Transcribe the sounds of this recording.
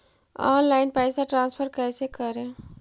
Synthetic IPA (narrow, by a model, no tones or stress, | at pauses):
ɔ̰nlajnpəjsaʈɾãnspʰəɾkajsekəɾe